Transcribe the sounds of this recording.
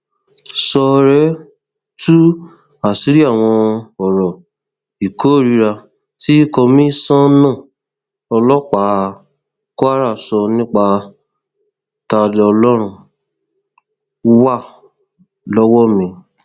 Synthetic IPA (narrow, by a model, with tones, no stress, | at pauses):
sɔ˧ɾɛ˨˦ | tu˦ | a˦˨si˨˦ɾi˦a˦˨w̃ɔ̃˧ɔ˨ɾɔ˨ | i˨ko˨˦˨ɾi˧ɾa˧ | ti˦kɔ˧mĩ˦sã˦nã˦˨ | ɔ˧lɔ˦k͡pa˨˦ | ko˦a˦ɾa˦˨sɔ˧nĩ˦k͡pa˧ | ta˧dɔ˧lɔ˦ɾ̃ũ˧˦ | wa˦˨ | lɔ˦wɔ˦mĩ˧